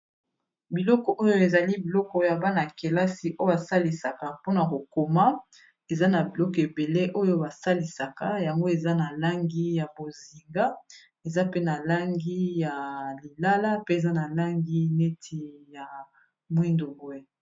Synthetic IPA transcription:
bi˨lɔ˦kɔ˨ʔo˦jo˦e˨za˨li˦bi˨lɔ˦kɔ˦ja˨ba˦na˨ke˨la˦si˨ʔo˦jo˦ba˨sa˦li˨sa˨ka˨po˦na˨ko˨ko˨ma˦ | e˨za˦na˨bi˨lɔ˦kɔ˨e˨be˨le˦ʔo˦jo˦ba˨sa˦li˨sa˨ka˦ja˨ŋɡo˦e˨za˦na˨la˦ŋɡi˦ja˨bo˨zi˨ŋɡa˦ | e˨za˦pe˦na˨la˦ŋɡi˦ja˨li˨la˦la˦pe˦e˨za˦na˨la˦ŋɡi˦ne˦tʰi˨ja˨ | mwi˦ndo˨bwe˦

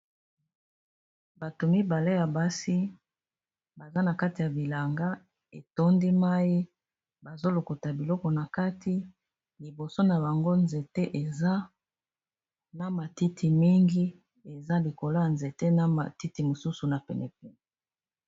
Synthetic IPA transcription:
ba˨to˨mi˦ba˨le˦ja˨ba˦si˦ | ba˨za˦na˨ka˦ti˨ja˨bi˨la˨ŋɡa˦ | e˨to˦ndi˦ma˦ji˦ | ba˨zo˦lo˨ko˨ta˨bi˨lɔ˦kɔ˨na˨ka˦tʰi˦ | li˨bo˨so˦na˨ba˨ŋɡo˦nze˨te˦ʔe˨za˦ | na˦ma˨ti˦tʰi˨mi˦ŋɡi˦ | e˨za˦li˨ko˨lo˦ja˨nze˨te˦na˦ma̰˨ti˦ti˨mo˨su˦su˨na˨pɛ˨nɛ˨pɛ˨n˨

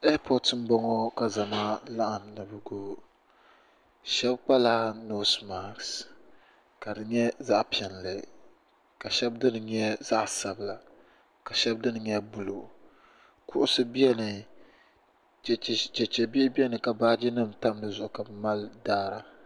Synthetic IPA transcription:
ɛ˦pʰɔ˨tɨ˨n̩˦bɔ˦ŋɔ˦ka˨za˨ma˦la˦ʔa˨mnɨ˨bɨ˨ɡoː˦ | ʃɛ˦bk͡pa˦laː˦no˦sma˨ks | ka˨dɨ˨ɲɛ˦za˦ʔpi˨ɛ˨n˨lɨ˨ | ka˨ʃɛ˦bdɨ˦nɨ˨ɲɛ˦za˦ʔsa˨bɨ˨la˨ | ka˨ʃɛ˦b̚dɨ˦nɨ˨ɲɛ˦bu˦lo̰˨ | kʊ˦ʔʊ˦sɨ˦bɛ˦nɨ˨ | t͡ʃɛ˨t͡ʃɛ˨bi˦ɪ˦bi˦ɛ˦nɨ˨ka˨baː˦d͡ʒi˦nɨ˦mta˦mdɨ˦˨zʊ˨ʔʊ˨ka˨bɨ˨ma˦ldaː˦ɾa˨

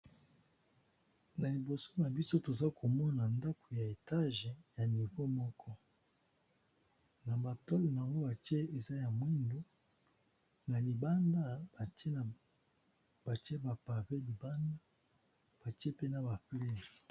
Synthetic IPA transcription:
na˨li˨bo˨so˦na˨bi˦so˦to˨za˦ko˨mɔ˦na˨nda˦ko˨ja˨e˨ta˦ʒɛ˨ja˨ni˨vo˦mɔ˦kʰɔ˦ | na˨ba˨tɔ˦li˨na˨a˨ŋɡo˦ba˨tje˦e˨za˦ja˨mwi˦ndo˦ | na˨li˨ba˦nda˦ba˨te˦˨ | b̥a˨te˦ba˨pa˨pe˦li˨ba˦nda˦ | b̥a˨ti˦e˦pe˦na˨ba˨ple˦˨

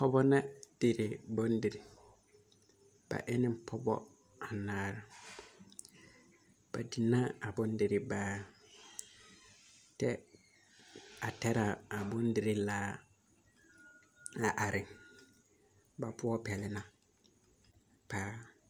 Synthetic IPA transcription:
pʰɔ˦bɔ˦nã˦d̥i˨ɾɪ˨bɔ̃˦n̩˦dɪ˨ɾi˨ | b̥a̰˨ʔɪ˦nɪ̃˦˨pʰɔ˦bɔ̰˦ | a˨nãː˨˦˨ɾa˨ | b̥a̰˨di˨nã˦a˨bʊ̃˨˦n˦dɪ˨ɾɪ˨baː˦ | tʰɛ˦ | a˨tʰɛ˦ɾa˨a˨bʊ̃˦n˦dɪ˨ɾɪ˦laː˦ | a˨ʔa˨ɾɪ̃˨ | ba˨pʰʊ˦ɔ˦pʰɛ˨lɪ˨nã˨ | pʰaː˦

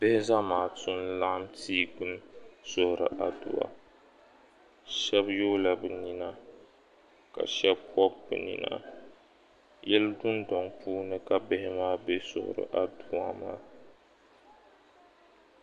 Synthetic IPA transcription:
bɛ˦hɪ˦za˦maː˨tʊ˦nla˦ʔmtiː˦ɡu˦n˦sʊ˦hɾɨ̰˨ʔa˨du˨a̰˨ | ʃɛ˦bjo˦la˨bɨ˨ni˦na˦ | ka̰˨ʃɛ˦bkɔ˦bbɨ̰˨nḭ˨na̰˨ | jɛ˦ldʊ˦ndɔ˨ŋpuː˦nɨ˦ka˦bɛ˦hɪ˦maː˦be˦sʊ̰˦hʊ̰˨ɾɨ̰˨ʔa˨du˦a˦ma̰ː˦

